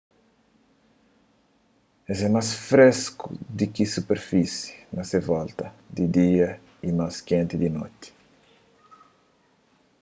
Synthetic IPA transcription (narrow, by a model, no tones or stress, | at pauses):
ezɛmasfɾeskṵd̪ikisupeɾfisi̥nɐsevɔlt̪ɐd̪id̪iɐ | imaskẽnt̪id̪ino̰t̪i̥